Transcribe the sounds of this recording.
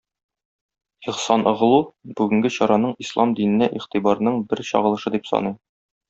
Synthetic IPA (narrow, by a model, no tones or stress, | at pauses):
iqsɑnʔŏʁlˠubʉɡɘ̆ŋɡɘɕɒɾɑnɤɴislˠɑmd̪inɘ̆nːæʔiχt̪ibɑɾnɤɴbɘɾɕɒ̰ʁɤ̆lˠɤ̆ʃɤd̪ipsɒ̰nɤj